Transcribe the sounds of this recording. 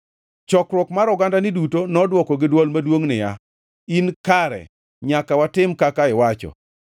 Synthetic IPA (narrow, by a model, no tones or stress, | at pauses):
t͡ʃɔkɾwɔkmaɾɔɡandanɪdutonɔdwɔkɔɡɪdwɔlmadwoŋnɪja | inkaɾɛ̰ | ɲakawatɪmkakaɪwat͡ʃɔ̰